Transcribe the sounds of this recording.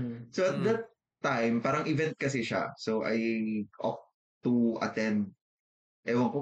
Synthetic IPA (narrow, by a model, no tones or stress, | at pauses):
soɐt̪̚d̪ɐt̪ː | ajmpaːɾɐŋʔɪvɛ̃nt̪̚kɐs̬ɛʃa̰soʔɐ̰jʔɔ̰k̚ | t̪uʔɐ̰t̪ɛ̃nd̪̚ | ʔɛwɐŋko